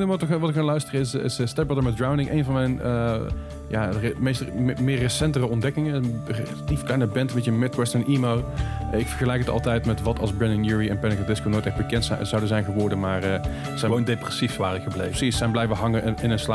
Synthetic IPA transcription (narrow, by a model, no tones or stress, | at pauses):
nətʋɑtɪkɦalœɥstərəɪsɪ̰səstɛbɔdəɹmɛt̚dɹawndɪŋʔḛjnvɑnmɛjnə | jaːmejstmɪːrːəsɛntərəɔndɛkɪŋərlatifklɛjnəbɛntmɛtjəmɪt̚kwɛstɛnʔimowɪkfəɹχəlɛjkətɑ̰lˠtɛjtmɛtʋɑtʰɑ̰lˠzbɹɛnɪnjuɹiɛnpɛnɪkəlˠdɪskownojtɛxbəkɛntszɑwdəzɛjnɣəʋɔɹdənmaːrə | sɛondeprɛsifʋaːrəxəbleəsissɛjnblɛjvəɦɑŋəɪnənsla